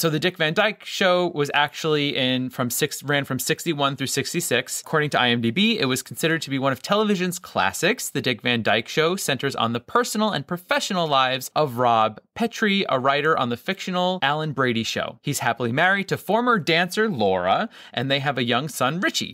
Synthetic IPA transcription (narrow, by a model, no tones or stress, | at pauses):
soʊðɨdɪkvæ̃ndaɪkʃoʊwʌzæk̚t͡ʃul̩ˠiʔɪ̃nfɹʌ̃msɪksɹæ̃nfɹʌ̃msɪkstiwʌ̃nθɹʉsɪkstisɪksəkʰɔɹɾɪ̃ŋtʰɨaɪɛ̃mdibiɪ̰t̚wʌz̥kʰn̩sɪɾə˞d̚tʰɨbiwʌ̃ñʌv̥tʰɛlˠəvɪʒɨ̃nz̥kʰl̥æ̰sɪksðɨdɪkvæ̃ndaɪkʃoʊsɛ̃ntə˞zn̩ðəpʰɜ˞sn̩l̩ˠə̰̃npʰɹ̥ɨfɛʃn̩l̩ˠlaɪvz̥ʔʌvɹɑb̚pʰɛt͡ʃɹ̥iə̰ɹaɪɾə˞ʔə̰̃nðɨfɪkʃɨnl̩ˠælˠə̃nbɹeɪɾiʃo̰ʊhiz̥hæpl̩ˠimɛɹid̚tʰɨfɔɹmə˞dæ̃nsə˞lɔɹə̰ | ʔɨ̰̃nðeɪɨvɨjʌ̃ŋsʌ̃nɹɪt͡ʃḭ